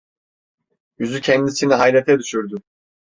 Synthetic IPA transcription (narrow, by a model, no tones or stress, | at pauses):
jyzycʰɛnd̪isiniɦajlʲet̪ʰɛd̪yʃyɾd̪y